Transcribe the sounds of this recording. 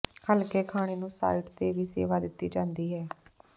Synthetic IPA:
kəlkeːkʰaːɽ̃eːnũːsa̰ːiːʈt̪eːʋiːsḛːʋaːd̪ɪt̪ːiːd͡ʒãːnd̪iːɦɛː

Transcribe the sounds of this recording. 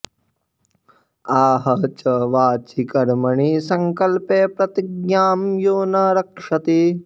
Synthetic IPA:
aːɦɐt͡ʃɐʋaːt͡ʃikɐɾmɐɳisɐŋkɐlpeːpɾɐt̪iɡɲjaːmjoːnɐɾɐkʂɐt̪i

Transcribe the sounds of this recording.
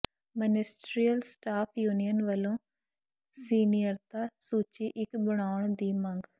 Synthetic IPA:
mənɪsʈɾiəlsʈaːpʰjuːnijənʋəlõː | siːnijəɾt̪aːsuːt͡ʃiːʔɪkbəɽ̃aːʊɳd̪iːmə̃ŋɡ

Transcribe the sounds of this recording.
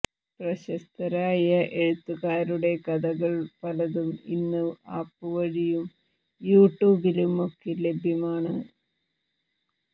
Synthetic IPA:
prɐɕɐst̪ɐɾaːjɐʔeɻut̪ːuɣaːɾuɽe̞kɐðɐɣɐɭpɐlɐðumḭnːɨaːpːɨʋɐɻijum | juːʈːjuːbilumo̞kːele̞bʱjɐmaːɳɨ

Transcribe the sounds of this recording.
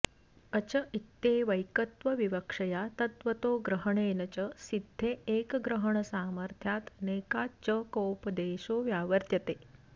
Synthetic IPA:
ət͡ɕəʔit̪ːeʋəjkət̪ʋəʋiʋəkʂɐjat̪ɐt̪ʋət̪oːɡɾəɦəɳeːnət͡ɕəsid̪ʱːeekɡɾəɦəɳ̃əsaːməɾt̪ʰjat̪neːkat͡ɕəkowpəd̪eɕoːʋjaːʋəɾt̪ʰjɐt̪eː

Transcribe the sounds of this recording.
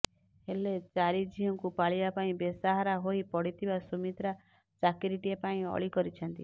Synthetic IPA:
helet͡ʃaɾid͡ʒiɦɔŋkupaɭibapaĩbesaɦaɾaɦoipɔɽit̪ʰibasumit̪ɾa | t͡ʃakiɾiʈiepaĩɔ̰ɭikɔɾit͡ʃʰɔnt̪i

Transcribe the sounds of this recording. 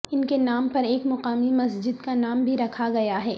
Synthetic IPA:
ɪnkenaːmpɐɾeːkmʊqaːmimɐs̬d͡ʒɪd̪kanaːmbʱiɾɐkʰaɡɐjaɦɛː

